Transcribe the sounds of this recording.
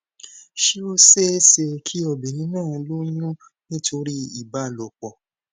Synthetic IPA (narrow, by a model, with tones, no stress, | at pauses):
ʃi˦o˦se˦se˧kʰi˦ɔ˧˨be˨nĩ˦nãː˦˨˧lo˦ɲũ˦ | nĩ˦tʰo˧ɾi˦i˦˨ba˨˦˨lɔ˨k͡pɔ˨